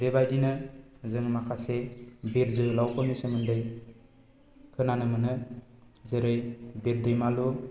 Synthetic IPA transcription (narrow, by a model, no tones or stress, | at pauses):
ɾebajdinɯzɯŋmakʰasebiɾzɯlawkʰɔnɯsɯmɯndɯj | kʰɯnanɯmɯnɯ | zɯɾɯjbiɾdɯjmalu